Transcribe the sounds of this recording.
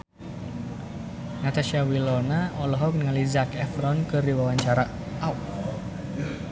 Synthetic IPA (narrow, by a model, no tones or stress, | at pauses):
nat̪aʃiawilɔnaɔlɔɦɔk̚nəŋalizakɛfɾɔnkɨrdiwawaɲt͡ʃaɾa | aw